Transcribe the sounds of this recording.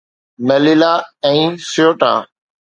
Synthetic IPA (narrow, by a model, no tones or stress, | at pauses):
məlilaːɛ̃ːsjoːʈã̰ː